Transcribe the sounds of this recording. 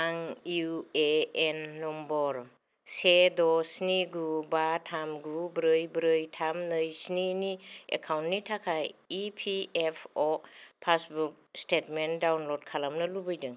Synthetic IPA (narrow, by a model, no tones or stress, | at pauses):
aŋjueenːɔmbɔɾ | sedɔsniɡubatʰamɡubɾɯjbɾɯjtʰamnɯjsniniḛkʰawntnitʰakʰajipʰiepʰɔpʰasbuk̚stetmendawnlɔd̚kʰalamnɯlubɯjdɯŋ